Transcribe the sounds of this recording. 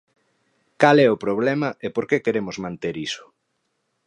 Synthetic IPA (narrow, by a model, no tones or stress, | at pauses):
kalɛʊpɾoβ̞lɛmɐepoɾkekeɾemʊzmãnt̪eɾisʊ̥